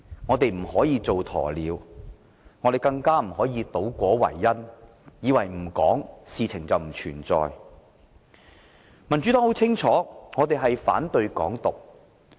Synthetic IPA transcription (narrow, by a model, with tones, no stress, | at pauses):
ŋɔː˨˧t̪e˨jm̩˨˩hɔː˨˥jiː˧t͡so˨wt̪ʰɔ̰ː˨˩liː˨˧w | ŋɔː˨˧t̪e˨jkɐ˧ŋkaː˥m̩˨˩hɔː˨˥jiː˨˧t̪o˨˥wkʷɔː˨˥wɐ̰˨˩jːɐ˥n | jiː˨˧wɐ˨˩jm̩˨˩kɔ̰ː˨˥ŋsiː˨t͡sʰɪ˨˩ŋt͡sɐ˨wm̩˨˩t͡ʃʰyː˨˩nt͡sɔ̰ː˨˧j | mɐ˨˩nt͡sy˨˥t̪ɔː˥ho˨˥wt͡sʰɪ˥ŋt͡sʰɔː˨˥ŋɔː˨˧t̪e˨jɦɐ˨jfa̰ː˨˥nt̪ɵ˧ɥkɔ̰ː˨˥ŋt̪ʊ˨k̚